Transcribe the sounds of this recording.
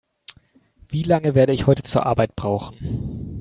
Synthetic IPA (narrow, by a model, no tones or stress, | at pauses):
v̥iːlaŋəveːɐɾəɪçhɔʏtə̥t͡suːɐʔaɐbaɪt̚b̥ʁaʊxn̩